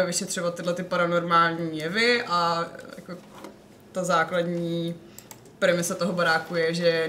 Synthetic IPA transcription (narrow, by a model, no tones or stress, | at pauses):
ɛvɪʃɛt̪r̥ovat̪ːɪdlɛt̪ɪpaɾano̞ɾmaːlɲiːjɛvɪʔaja̰ko | t̪azaːkladɲiː | pɾɛmɪsat̪oɦobaɾaːkujɛʒɛ